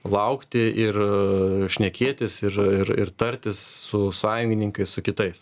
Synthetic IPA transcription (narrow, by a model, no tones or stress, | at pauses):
lˠɐʊkt̪ʲɪʔɪrʃʲnʲɛkʲeːt̪ʲɪsɪrɪɾɪ̰ɾt̪ɐɾʲt̪ʲɪssʊsɑːjʊŋʲɡʲɪnʲɪŋkɐɪssʊkʲɪt̪ɐɪs